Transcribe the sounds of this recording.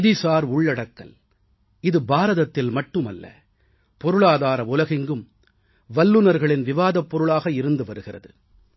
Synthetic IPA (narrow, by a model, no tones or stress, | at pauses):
ðɪsaːɾʊɭːɐɽɐkːɐ̰l | ɪðɯbaːɾɐðɐt̪ːɪlmɐʈːɯmɐlːɐ̰ | pɔɾɯɭaːðaːɾɐʊlɐɣɪŋɡɯm | ʋɐlːɯnɐɾɣɐɭɪnʋɪʋaːðɐpːɔɾɯɭaːɣɐɪɾɯnd̪ɯʋɐɾɯɣɪrɐðɯ